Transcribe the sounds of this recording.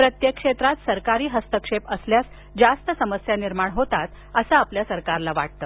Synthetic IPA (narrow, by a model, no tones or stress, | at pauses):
pɾət̪jəkʂet̪ɾat̪səɾkaɾiːɦəst̪əkʂepəsljas | d͡zast̪əsəməsjaniɾmaɳɦot̪at̪ | əsaːpljasəɾkaɾlaʋa̰ʈ̚t̪əː